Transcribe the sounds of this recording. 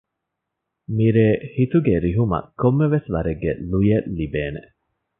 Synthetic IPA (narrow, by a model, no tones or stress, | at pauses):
miɾeːhit̪uɡeɾiɦumɐ̰kːomːeʋesʋɐɾeɡːḛlujelːibeːne